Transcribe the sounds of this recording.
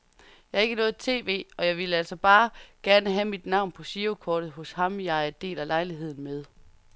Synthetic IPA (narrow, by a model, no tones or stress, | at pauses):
jɑæɐe̝ɡ̥ənɔ̽ːð̩ˠt͡sʰe̝̰ːʋe̝̰ːɒ̽jɑ̈ɪʋe̝ləæl̰sɒ̽b̥ɑ̈ːɡ̥æɐnəɦæmid̥nɑ̈ʊ̰npʰɒ̽ɕiokʰɒːd̥ð̞̩ˠɦɔ̽shɑ̈mjɑ̈ɪæɐd̥e̝̰ːlælɑ̈ɪliɦe̝ð̞̰ˠn̩með̞ˠ